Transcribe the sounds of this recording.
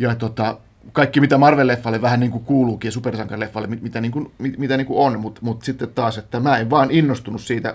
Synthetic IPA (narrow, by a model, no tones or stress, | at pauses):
jɑt̪ot̪ɑ | kɑikːimit̪æmɑrʋelːefːɑlːeʋʋæhænniːŋkukuːluːkiːjɑsupersɑŋkɑrlefːɑlːemimit̪æniːŋkunmimit̪æniːŋkuonmut̪mut̪sit̪ːet̪t̪ɑːset̪ːæmæːeʋʋɑːninːost̪unussiːt̪æ̰